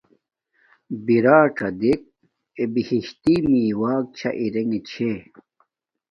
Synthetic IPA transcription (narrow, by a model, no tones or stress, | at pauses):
biɾaːʈ͡ʂʰɐd̪ik̚ | ebihiɕt̪imiːwaːk̚t͡ɕʰɐ̰ʔiɾeŋet͡ɕʰe